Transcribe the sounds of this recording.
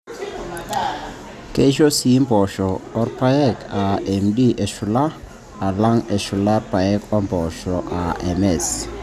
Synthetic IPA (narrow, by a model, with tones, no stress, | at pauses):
ke˦ʃo˦si˨˦mbɔ˨ʃɔː˨˦ɾpa˦ɛ˦ka˨ɛ˨mdi˦ʔe˨ʃu˨la˦ | a˨la˦ŋɛ˨ʃu˨la˦rpa˨ɛ˦kɔ˦mbɔ˨ʃɔ˨ʔa˨ɛ˨mɛ˨s